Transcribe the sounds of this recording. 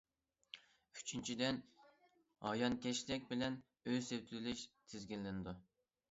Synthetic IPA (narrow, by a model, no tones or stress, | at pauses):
y̥t͡ʃʰynt͡ʃʰid̪ɛn | hɑ̰jɑnkʲɛʃlɪkʲbɪlɛn | øzsewt̪ʰlɪʃt̪ʰɪzɡʲilːɪnɪd̪u